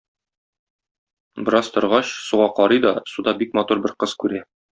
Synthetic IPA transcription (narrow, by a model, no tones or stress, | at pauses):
bɤ̆ɾɑst̪ŏɾʁɑɕsuʁɑqɒɾɤjd̪ɒsud̪ɑbik̚mɒt̪uɾbɘɾqɤz̥kʉɾæ